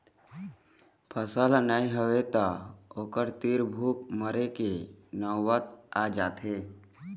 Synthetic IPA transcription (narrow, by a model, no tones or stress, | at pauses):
pʰəsəlnaːiɦoʋet̪aoːkəɾt̪iɾbʱuːkməɾekenɔwət̪̚ad͡ʒaːt̪ɦeː